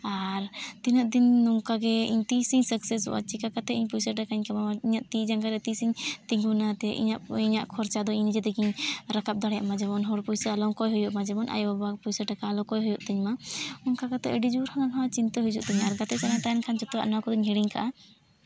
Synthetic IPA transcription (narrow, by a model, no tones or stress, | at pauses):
aɾt̪inaʔ̚d̪inːuŋkaɡɛḭɲt̪isiɲsəksɛsṵʔa̰t͡ʃikakat̪ɛiɲpujsəʈakaɲkamamaiɲaʔt̪id͡ʒaŋɡaɾɛt̪isiɲt̪iŋunat̪ɛʔḭɲaʔiɲaʔkʰɔɾt͡ʃad̪ɔiɲnid͡ʒɛd̪ɛkiɲɾakap̚d̪ɔɽjaʔmad͡ʒɛbɔnɦɔɽpujsaalɔŋkɔjɦujuʔmad͡ʒɛbɔnʔa̰jbabapujsəʈakaːlɔkɔjɦujuʔt̪iɲmaɔŋkakat̪ɛ̰ʔəɖid͡ʒuɾhʰanalɦãt͡ʃint̪ɔɦud͡ʒuʔt̪iɲaɾɡat̪ɛt͡ʃanat̪ajankʰant͡ʃɔt̪ɔa̰ʔnakɔd̪ɔɲɦiɽiɲkaʔa